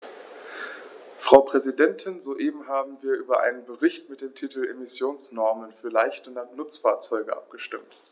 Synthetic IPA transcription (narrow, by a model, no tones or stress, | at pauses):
fʁ̥aʊpʁ̥ɛzidɛntʰɪnzoʔeːbm̩ɦaːbm̩viːɐʔyːbɐʔa̰ɪnənbəʁɪçtmɪt̚d̥eːmtʰiːtl̩emɪsjoːnsnɔɐmənfyːɐlaɪçtənanʊt͡sfaːɐt͡sɔʏɡəʔa̰p̚ɡ̥əʃtɪmt